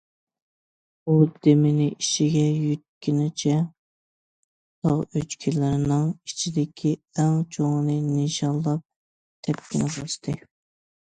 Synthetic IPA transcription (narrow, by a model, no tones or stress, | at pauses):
ud̪emɪnɪʔiʃiɡʲɛjyt̪̚kʲinɪt͡ʃʰɛ | d̪ʰɑ̰ʁøt͡ʃkʲʰilɪɾɪnɨŋit͡ʃʰid̪ɪkʲʰiæŋt͡ʃʰoŋnɨnɪʃɑllˠːɑp̚ | t̪ʰɛp̚kʲʰɪnɪbɑʃt̪ʰɨ